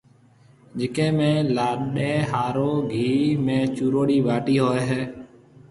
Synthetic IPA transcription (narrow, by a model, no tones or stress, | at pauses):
d͡ʒɪkẽːmẽːlaːɗeːɦaːɾoːɡʱiːmẽːt͡ʃuːɾoːɽiːʋaːʈiːɦoːeɦeː